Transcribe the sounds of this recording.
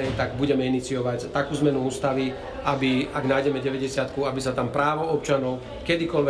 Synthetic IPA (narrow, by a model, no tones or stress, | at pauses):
ɛjt̪aɡbuɟɛmɛinit͡siɔʋact̪akuːzmɛnuuːst̪aʋi | abiaɡnaːjɟɛmɛɟɛʋɛɟɛsɪat̪kuabisat̪ampɾaːʋɔɔpt͡ʃanɔʊ | kɛd̪ikɔlʋɛ